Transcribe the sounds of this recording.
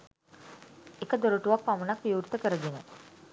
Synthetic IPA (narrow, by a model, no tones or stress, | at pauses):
ekəd̪oɾuʈuʋak̚pamənakʋiuːɾt̪əkəɾəɡene